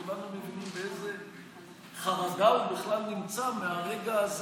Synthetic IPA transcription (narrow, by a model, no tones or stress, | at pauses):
ulanumeɡinimbeeze̞ | χaʁaɡaubiχlalnimt͡sameaʁe̞ɡaːz